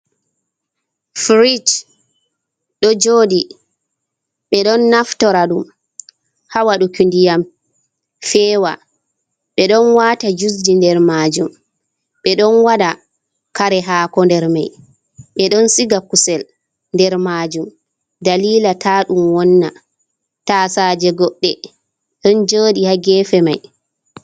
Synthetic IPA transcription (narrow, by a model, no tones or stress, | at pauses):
fɾid͡ʒ | ɗɔd͡ʒoːdi | ɓɛɗɔnːaftɔɾaɗum | hawaɗukundijam | fɛːwa | ɓɛɗɔnwaːtad͡ʒusdindɛɾmaːd͡ʒum | ɓɛɗɔnwaɗa | kaɾɛɦaːkɔndɛɾmaj | ɓɛɗɔnsiɡakusɛl | ndɛɾmaːd͡ʒum | daliːlatʰaɗumwɔnːa̰ | tasad͡ʒɛɡɔɗːɛ | ɗɔnd͡ʒoːɗihaɡɛːfɛmaj